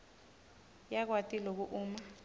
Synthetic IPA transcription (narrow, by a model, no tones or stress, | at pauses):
jak̬watʼilok̬uʔuːma